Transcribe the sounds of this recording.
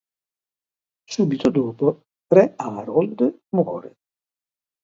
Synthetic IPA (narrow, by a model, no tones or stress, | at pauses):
suːbit̪od̪ɔːpo | rɛaːɾɔld̪mwɔːɾḛ